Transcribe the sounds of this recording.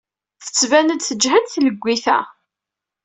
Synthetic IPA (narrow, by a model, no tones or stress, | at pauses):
θə̥t͡sːvænəd̪θəd͡ʒɦæd̪θləɡʷːiθæ̰